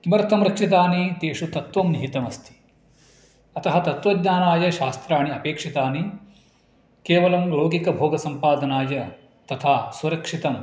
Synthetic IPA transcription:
kimɐɾt̪ɐmɾɐkʂit̪̬aːnit̪eːʂut̪ɐt̪ʋɐmniɦit̪ɐmɐst̪ʰi̥ | ɐt̪ɐɦɐt̪ɐt̪ʋɐd̪ɲaːnaːjɐʃaːst̪ɾaːɳiɐpeːkʂit̪aːni | keːʋɐlɐmloːɡikɐbʱoːɡɐsɐmpaːd̪ɐnaːjɐ | t̪ɐt̪ʰaːsuɾɐkʂit̪ɐm

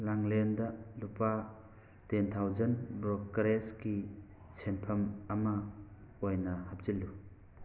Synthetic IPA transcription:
laŋlendɐlupa | tentʰawzɐnbɾokkɾeski | senpʰɐmɐmɐojnɐhap̚zilːu

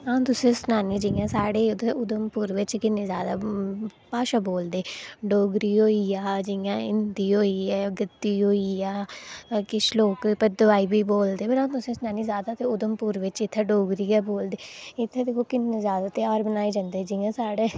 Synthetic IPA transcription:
ãːt̪ʊsẽːsənaːniːd͡ʒɪjãːsaːɽeːd̪ʊd̪əmpuːɾʋɪt͡ʃkɪnːẽːzjaːd̪aːpaːʃaːboːld̪eːɖoːɡɾiːɦoːiːaːd͡ʒɪjãːɪ̰nd̪iːɦoːiːɛːɡət̪ːiːɦoːiːjaːkɪt͡ʃʰloːkpəd̪əʋaːiːbiːboːld̪eːpəɾãːt̪ʊsẽːsənaːniːzjaːd̪aːt̪eːʊd̪əmpuːɾʋɪt͡ʃɪt̪ʰːeːɖoːɡɾiːɛːboːld̪eːɪt̪ʰːeːd̪eːkʰoːkɪnːezjaːd̪aːt̪eaːɾbənaːid͡ʒãːnd̪eːd͡ʒɪjãːsaːɽeː

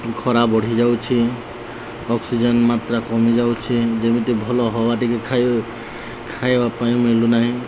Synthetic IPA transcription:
kʰɔɾabɔɽ̤id͡ʒawt͡ʃʰi | ɔksid͡ʒenmat̪ɾakɔmid͡ʒawt͡ʃʰid͡ʒemit̪ibʱɔlɔɦɔbaʈikekʰaj | kʰajbapajũmilunaɦĩ

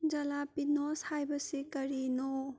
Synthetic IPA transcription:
d͡ʒɐlapinoshajbɐsikɐɾino

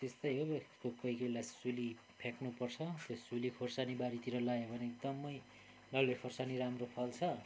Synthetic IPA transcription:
t̪est̪ʌjɦokokʌijkʌilajsuli | pʰeknupʌrt͡sʰʌt̪josulikʰorsanibaɾit̪iɾʌlaebʱʌneek̚d̪ʌmʌj | lʌlekʰorsaniɾamropʰʌlt͡sʰʌ

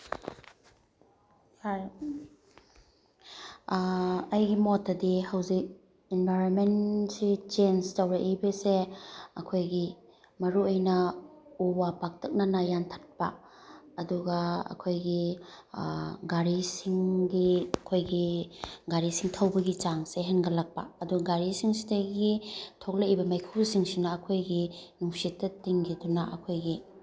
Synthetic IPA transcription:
ha | ɐjɡimotɐdihɐwzik̚ | inbʱajɾonmensit͡ʃenstawɾaʔibeseɐkʰojɡi | mɐɾuəjnɐuwapak̚tʰɐk̚nɐnajantʰḁt̚pɐ | ɐduɡaɐ̰kʰojɡi | ɡaɾisiŋɡiɐkʰojɡiɡaɾisiŋtʰawbɐɡit͡ʃaŋseɦenɡɐlak̚pa̰ɐduɡaɡaɾisiŋsi̥dɐɡitʰok̚laibɐmajkʰuwsiŋsinaːkʰojɡinuŋsitːɐtiŋɡidunaʔɐ̰kʰojɡi

